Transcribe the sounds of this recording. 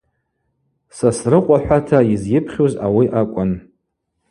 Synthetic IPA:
sasrɨqʷʼaħᶣʷatʰaizjɪpʰχʲoza̰wiʔakʷʼʊn

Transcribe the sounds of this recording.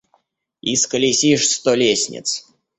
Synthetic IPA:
iskɐlʲisʲiʂst̪ɔlʲesʲnʲɪ̰t̪s

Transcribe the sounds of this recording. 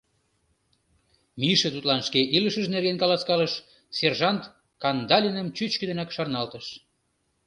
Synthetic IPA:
miʃĕt̪ut̪lɑnʃkeʔiləʃəʒnerɣenkɑlɑskɑləʃ | serʒɑnt̪ | kɑnd̪ɑlʲinəmt͡ɕyt͡ɕkə̆d̪enækʃɑrnɑlt̪əʃ

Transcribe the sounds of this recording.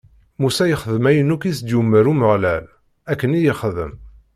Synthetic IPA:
musæjəχəðəmæjənukisd̪jumːəɾuməʁlæl | ækːənijəχəðə̰m

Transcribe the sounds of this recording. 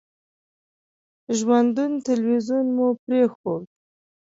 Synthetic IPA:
ʒwand̪unt̪alwizunmupɾexod̪

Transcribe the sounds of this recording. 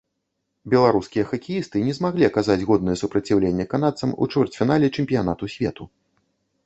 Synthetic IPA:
bʲɛlˠaɾuskʲijɐxɐkʲijist̪ɨnʲɛzmaɣlʲiɐkazad͡zʲɣɔd̪nɐjɛsupɾɐt͡sʲiwlʲenʲːɛkan̪at̪sɐmṵt͡ʂvʲɛrt͡sʲfʲinalʲɛt͡ʂɛmʲpʲijan̪at̪usʲvʲɛt̪u

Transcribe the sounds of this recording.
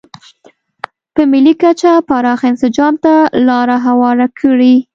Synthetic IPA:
pəmilikat͡ʃapɑɾɑxaɪnsɪd͡ʒɑmt̪alɑɾaɦawɑɾakʰəɽi

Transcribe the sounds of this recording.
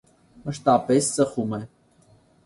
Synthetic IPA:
məʃt̪ɑpɛst͡səχumɛ

